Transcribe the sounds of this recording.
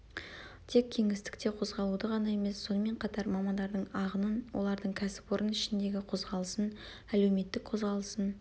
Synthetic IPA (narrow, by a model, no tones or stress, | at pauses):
t̪ʰe̞k̚ʲʰːe̞ŋɪst̪ɪ̥kt̪e̞qʰo̞zʁɑlˠud̪əʁɑnɑe̞me̞sːo̞nəme̞ɴqʰɑt̪ɑɾmɑmɑnd̪ɑɾd̪əɴɑʁənənwʔo̞̰lˠɑɾd̪əɴkʲʰæsɪ̥pwo̞ɾənɪʃɪnd̪e̞ɡʲɪqʰo̞zʁɑlˠəsən | æle̞wme̞t̪ːɪk̚qʰo̞zʁɑlˠəsən